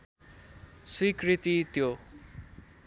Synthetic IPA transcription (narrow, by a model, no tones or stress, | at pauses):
swikrit̪it̪jo